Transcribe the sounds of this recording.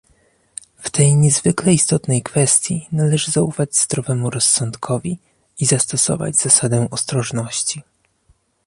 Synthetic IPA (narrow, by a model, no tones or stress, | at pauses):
ft̪ɛjɲɛzvɘklɛist̪ɔt̪nɛjkfɛst̪ʲjinalɛʐɘzaufad͡ʑzd̪ɾɔvɛmuɾɔsːɔnt̪kʰɔvʲi | izast̪ɔsɔ̰va̰d͡ʑzasad̪ɛ̃ʔɔst̪ɾɔʐnɔɕt͡ɕi